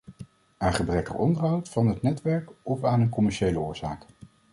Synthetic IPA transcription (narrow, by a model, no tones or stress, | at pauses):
aːnχəbrɛkə̰rɔndəɹɦɑwtfɑnɦətnɛtʋɛɹkɔfaːnənkɔmɛɹʃejləʊːɹz̥a̰ːk